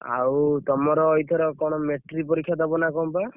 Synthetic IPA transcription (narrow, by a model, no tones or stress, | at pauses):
a̰wt̪ɔmɔɾɔːjt̪ʰɔɾɔkɔɽ̃ɔmeʈɾipɔɾikʰːjad̪ɔbɔnakɔmpa